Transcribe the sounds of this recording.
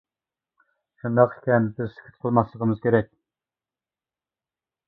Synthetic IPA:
ʃund̪ɑqe̥kʲɛnbɪzsɪ̥kʲʰy̥t̪̚qʰəlˠmɑslˠəʁəmɨz̥kʲʰeɾɛkʲ

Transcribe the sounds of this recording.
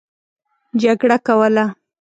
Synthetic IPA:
d͡ʒaɡɽakawəla

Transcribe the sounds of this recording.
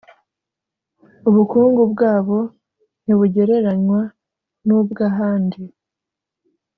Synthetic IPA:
uβukuːŋɡubɡaːβo̞ | n̥iβuɟe̞ɾe̞ɾaɲwa | nuːbɡaɦaːndi

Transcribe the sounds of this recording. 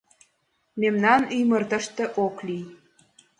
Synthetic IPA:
memnɑnyjmərt̪əʃt̪ĕʔoklij

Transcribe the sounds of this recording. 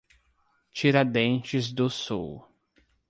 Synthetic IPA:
t͡ʃiɾad̪ẽnt͡ʃɪzd̪ʊsṵw

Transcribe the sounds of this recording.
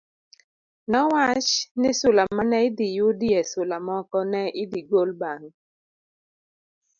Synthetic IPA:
nɔwat͡ʃnɪsʊlamanɛɪdɪjʊdiɛsʊlamɔkɔnɛʔɪdiɡolbaŋ

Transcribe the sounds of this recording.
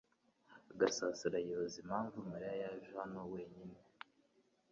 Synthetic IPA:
ɡasaːsiɾajozimhaːɱvumaɾijajaʒuhano̞we̞ːɲine

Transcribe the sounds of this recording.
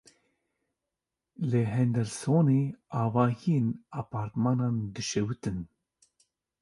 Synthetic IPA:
leɦɛnd̪ɛlsoːneːɑːvɑːɦijeːnɑːpɑːɾt̪mɑːnɑːnd̪ɨʃɛwɨt̪ɨn

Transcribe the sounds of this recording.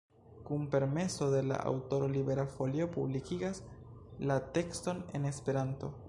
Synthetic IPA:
kumpe̞ɾme̞so̞de̞la̰ʔa̰wto̞ɾo̞libe̞ɾafo̞lio̞publikiɡaslate̞ksto̞ne̞̰ne̞spe̞ɾanto̞

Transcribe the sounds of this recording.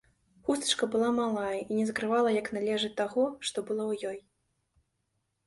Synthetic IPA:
xust̪ɐ̥t͡ʂkɐbɨlˠamalˠajɐinʲɛzkɾɨvalˠɐjɐknalʲɛʐɨt̪ːaɣɔʂt̪ɔbɨlˠɔwjɔj

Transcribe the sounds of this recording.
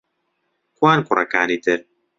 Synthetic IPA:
kwaːnkʊrɐ̰kaːniːt̪ɪɾ

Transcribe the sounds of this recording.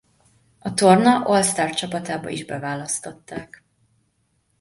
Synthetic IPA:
ɒt̪o̞rnɒʔo̞lst̪aːrt͡ʃɒpɒt̪aːbɒ̰ḭʒbɛ̰vaːlɒst̪o̞t̪ːaːk

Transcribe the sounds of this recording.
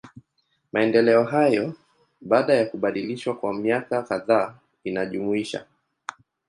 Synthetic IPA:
maɛndɛlɛɔɦajɔ | ɓaːɗajakuɓaɗiliʃwakwamiakakaðaː | inaʄumuiʃa̰

